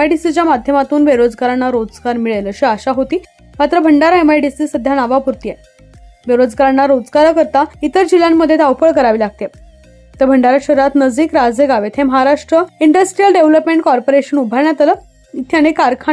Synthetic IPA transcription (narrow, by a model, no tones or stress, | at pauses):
ajʈisit͡ɕjamad̪ʱjəmat̪uːnbeɾod͡zɡaɾanːaɾod͡zɡaɾmiɭeləɕiaɕaɦot̪iː | mat̪ɾəbʱəɳɖaɾemajʈisisəd̪ʱjanaʋapuɾt̪ije | beɾod͡zɡaɾaɳːaɾod͡zɡaɾəkəɾt̪ait̪əɾd͡ʑiljamːəd̪ʱjet̪awpəɭkəɾaʋiːlaɡ̚t̪e | t̪əbʱəɳɖaɾaɕəɾuɾat̪nəd͡ziːkɾad͡zeɡaʋet̪ʰẽməɦaɾaʂʈɾəiɳɖəsʈɾijəlɖeʋləpmẽɳʈ̚kɔɾpoɾeɕənubʱaɳjat̪alə | t̪ʰjaɽ̃ekaɾkʰa